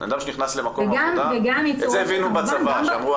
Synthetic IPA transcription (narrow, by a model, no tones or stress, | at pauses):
a̰d̪amʃeniχnaslemakoeɡamveɡamjet͡sozeːvinubat͡savaʃamʁu